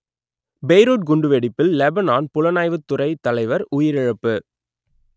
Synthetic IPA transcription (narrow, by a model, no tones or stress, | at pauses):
bɛjɾuːʈ̚ɡʊɳɖɯʋeɽɪpːɪlːɛbɐnaːnpʊlɐnaːjʋɯt̪ːʊrɐɪt̪ːɐlɐɪʋɐɾʊjɪɾɪɻɐpːɯ